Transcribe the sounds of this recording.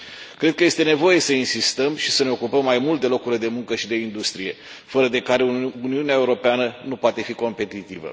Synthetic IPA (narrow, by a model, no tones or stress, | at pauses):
kɾe̞d̪̚kəje̞st̪e̞ne̞vo̞je̞səinsist̪əmʃisəne̞o̞kupəmːajmult̪̚d̪e̞lo̞kuɾile̞d̪e̞muŋkəʃid̪e̞ind̪ust̪ɾije̞ | fəɾəd̪e̞kaɾeuniuneaeuɾo̞peanənupoat̪e̞fiko̞mpe̞t̪it̪ivə̰